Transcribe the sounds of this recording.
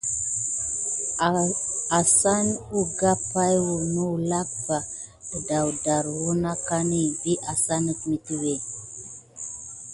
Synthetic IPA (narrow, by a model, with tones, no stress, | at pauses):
a˨sa˦nu˦ɡa˦pa˦jwu˨nu˦˨la˦k̚ba˨ | ə˨da˨wda˨ɾwu˦na˦ka˦ni˦˨bi˦ʔa˨sa˦nə˦k̚mi˨ti˦we˨